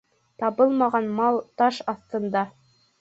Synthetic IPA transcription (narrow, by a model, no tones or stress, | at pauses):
t̪ɑβɤlˠmɑʁɑnmɑlˠt̪ɑʃɑθt̪ɤ̆nd̪ɑ